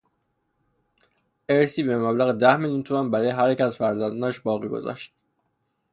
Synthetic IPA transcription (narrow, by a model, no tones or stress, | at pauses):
ʔeɾsiːbemæblæɣed̪æhmeljuːnt̪ʰumænbæɾɒːjeɦæɾecæzfæɾzænd̪ɒnʃbɒːɣiːɡo̞̰zɒ̰ʃt̪̚